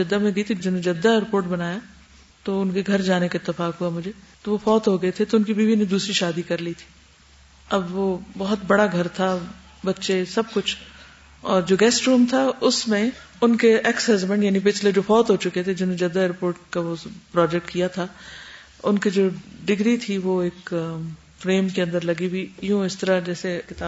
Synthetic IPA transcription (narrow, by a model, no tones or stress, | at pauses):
d͡ʒɐd̪ːamẽɡɐit̪ʰid͡ʒɪn̤oñd͡ʒɐd̪ːaɛːɾpoːɾʈbɐnaːja | t̪oʊnkeɡʱɐɾd͡ʒaːnekaɪt̪ːəfaːkɦuamʊd͡ʒʱet̪oʋofɔːt̪ɦoɡɐet̪ʰet̪oʊnkibʱiːbinẽd̪uːsɾiʃaːd̪ikɐɾlit̪ʰi̥ː | ɐbʋobɐɦʊt̪bɐɽaɡʱɐɾt̪ʰa | bɐtːʃesɐb̚kʊt͡ʃʰ | ɔːɾd͡ʒoːɡɛːsʈɾũːmt̪ʰaʊsmẽ | ʊnkeʔɛksɦɐzbɛ̃ɳʈjaːnip̬ɪt͡ʃʰled͡ʒoːfɔːt̪ɦot͡ʃʊket̪ʰed͡ʒɪnõnẽd͡ʒɐd̪aɛːɾpoːɾʈkaʋopɾɔːd͡ʒɛk̚ʈkijat̪ʰa | ʊnkid͡ʒoːɖɪɡɾit̪ʰiʋoːeːk | fɾeːmkeɐ̃nd̪əɾlɐɡibʱijũːɪst̪əɾad͡ʒɛːsekɪt̪aː